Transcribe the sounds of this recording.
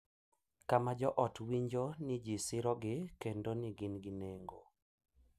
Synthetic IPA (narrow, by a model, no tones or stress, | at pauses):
kamad͡ʒɔʔɔtwiɲd͡ʒonid͡ʒisɪɾɔɡɪkendoniɡɪnɡɪneŋɡo